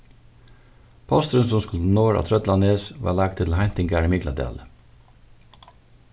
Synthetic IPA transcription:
pʰɑst̪ɾənsɔmskʉlnoːɹɑ̰ːt̪ʰɾœd̪lɑneːsʋɑ̰ːlæːɡ̚t̪ʰɪlhænt̪ɪŋɡæɹəmɪɡlɑd̪ḛːlə

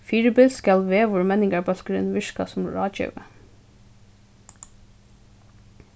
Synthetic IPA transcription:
fiːɹbɛlskɑlʋeːʋʊɹmɛnɪŋɡɑɹbɑlkəɾḛːnʋɪʃkɑ̰sʊmɹɑːc͡çø̰ːʋə

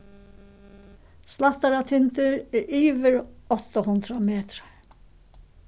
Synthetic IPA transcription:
slaht̪aɾat̪ʰɪnt̪ɪɾɛɹiːvɪɾɔht̪ahʊnt̪ɾamɛːt̪ɾa

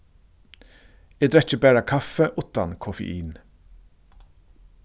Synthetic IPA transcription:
eːd̪ɾɛc͡çəbæːɹakʰafəʔʊt̪ankʰʊfə̰ʔiːn

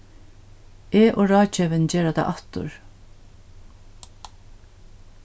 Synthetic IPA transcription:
eːʔoːɹɑːt͡ʃɛːʋɪnt͡ʃeːɾat̪ʰa̰ʔat̪ʊ̰ɹ

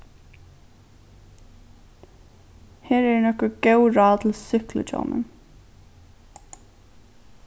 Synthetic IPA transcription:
heːɹɛɹnɔkɔɡ̥œwɹɑːt̪ʰɪlsʏklə̰t͡ʃo̰ːmə̰n

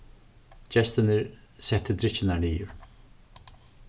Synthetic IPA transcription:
d͡ʒɛst̪ɪnɪɾsɛht̪ːəd̪ɾɪt͡ʃɪnaɹniːjʊɾ

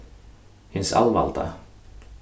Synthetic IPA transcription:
hɪnsa̰lva̰lt̪ʰa̰

